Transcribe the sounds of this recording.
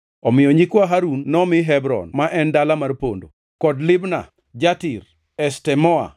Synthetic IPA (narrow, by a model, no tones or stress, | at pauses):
ɔmɪjɔɲikwaɦaɾunːɔmɪɦɛbɾɔ̰nmaʔɛndalamarpo̰ndo | kɔdlɪbna̰ | d͡ʒatɪr | ɛstɛmɔa̰